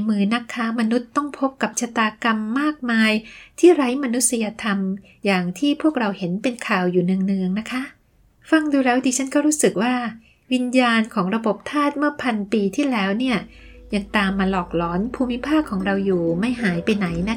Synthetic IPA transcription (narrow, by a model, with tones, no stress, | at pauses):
mɯː˧na˦˥kʰːaː˦˥ma˧nu˦˥t̪ːɔ˥˩ŋpʰo˦˥p̚ka˨˩p̚t͡ɕʰa˧t̪aː˧ka˧mːaː˥˩k̚maː˧jt̪ʰiː˥˩ɾa˦˥jma˧nu˦˥t̪̚si˧ja˧t̪ʰa˧m | jaː˨˩ŋt̪ʰiː˥˩pʰu˥˩ək̚ɾa˧whe˩˦npe˧nkʰaː˨˩wjuː˨˩nɯ˨˧əŋnɯ˧əŋna˦˥kʰa˦˥ʔ | fa˧˩ŋduː˧ɾɛː˦˥wt̪iː˧t͡ɕʰa˦˥nkɔː˥˩ɾuː˦˥sɯ˨˩k̚waː˥˩ | wi˧njaː˧nkʰɔː˩˦ŋɾa˧bo˨˩p̚t̪ʰaː˥˩t̪̚mɯ˥˩ɐpʰa˧npiː˧t̪ʰiː˥˩lɛː˦˥wni˥˩ɐ | jaː˨˩ŋt̪aː˧mːaː˧lɔː˨˩k̚lɔː˩˦npʰuː˧mːi˦˥pʰaː˥˩kʰːɔː˩˦ŋɾa˧wjuː˨˩ma˥˩jɦaː˩˦jpa˧jna˩˦jna˦˥